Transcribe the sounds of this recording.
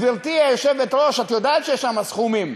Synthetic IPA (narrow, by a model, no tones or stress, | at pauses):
bilt̪iajoʃevet̪ɾo̞ʃat̪jod̪aːt̪ʃejeʃamasχumim